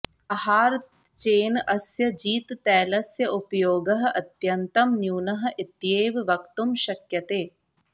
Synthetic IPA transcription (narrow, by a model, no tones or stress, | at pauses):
ɐhaːɾ | t͡ʃeːnɐsjɐd͡ʒiːt̪t̪ɛːlɐsjɐʔupɐjoːɡɐɦɐ̆ʔɐt̪jɐnt̪ɐmnjuːnɐɦɐ̆ʔɪt̪jeːʋʋɐkt̪umʃɐkjɐt̪eː